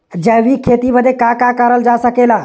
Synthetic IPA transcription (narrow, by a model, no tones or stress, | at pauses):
d͡ʒəʋikʰeːt̪ibəd̪ekakakaɾəld͡ʒaːsəkelaː